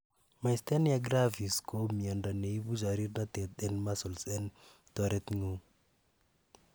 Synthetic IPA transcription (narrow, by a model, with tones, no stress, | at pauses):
ma˨ist̪ɛ˦njaɡɾa˦vi˨sko˦mi˨a˨nda˨ne˨i˦bu˦d͡ʒa˨ɾi˦ɾna˦t̪ɛ˨t̪̚ɛ˦nmasɔ˨lsɛn | t̪ɔɾɛt̪ŋo˦